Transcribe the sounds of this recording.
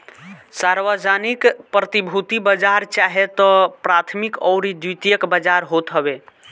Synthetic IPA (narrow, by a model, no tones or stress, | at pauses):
saɾʋəd͡ʒanikpɾət̪ibʱut̪ibəd͡ʒaɾt͡ʃaɦet̪ɔpɾat̪ʰmikɔʊɾid̪ut̪ijəkbəd͡ʒaɾɦot̪ɦəbe